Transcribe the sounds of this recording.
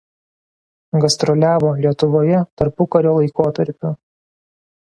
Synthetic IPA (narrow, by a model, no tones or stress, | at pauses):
ɡɐsʲt̪ɾɔlʲæːʋoːlʲiɛt̪ʊʋoːjɛt̪ɐɾpʊkɐɾʲoːlˠɐɪkoːt̪ɐɾʲpʲʊ